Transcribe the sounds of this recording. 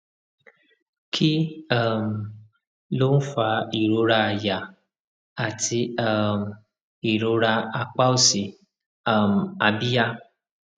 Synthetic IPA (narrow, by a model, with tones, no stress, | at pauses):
kʰi˦a˦˨m̩˨ | lo˦n̩˦fa˧˦i˨ɾo˧˦ɾa˧˨ja˨ | a˨ti˧a˦˨m̩˨ | i˨ɾo˨˦ɾa˧a˧k͡pa˦o˦si˨ | a˨m̩˨a˧bi˦ja˦